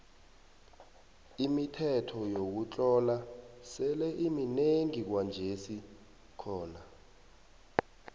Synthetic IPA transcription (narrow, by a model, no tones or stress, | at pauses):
imitʰɛtʰɔjok̬ut͡ɬʼɔlasɛlɛʔimineŋik̬wand͡ʒʱesi | kʰɔːna